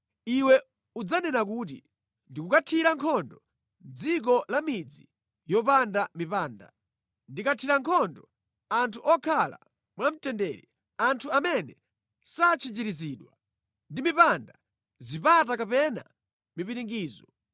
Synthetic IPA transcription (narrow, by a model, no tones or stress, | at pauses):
iwɛ | ud͡zanɛnakuːt̬ḭ | ndikukatʰiɾaŋkʰɔndɔ | d͡zik̬ɔlamid͡zi | jɔpandamipaːnda | ndikatʰiɾaŋkʰɔndɔ | antʰuʔɔkʰala̰ | mwam̩tɛndɛɾi | antʰuamɛnɛ | sat͡ʃʰid͡ʒiɾiziːɗwa | ndimipanda | zipat̬akapɛna̰ | mipiɾiŋɡiːzɔ